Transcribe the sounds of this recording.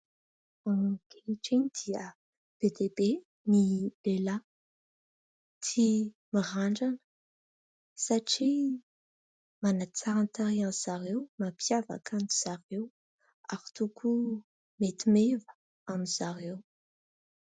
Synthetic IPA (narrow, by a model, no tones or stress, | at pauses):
aɡeiʈ͡ʂiɲid̪̥iə | b̥ed̪ebe | milela | t̪ʰi | miʁaɳɖ͡ʐanə̥ | saʈ͡ʂi | manat͡saɾant̪aɾianz̥aɾewmapʰjava̰kʰaniz̥arew | aɾi̥t̪ukʰu | met̪imevə̥ | amiz̥aɾew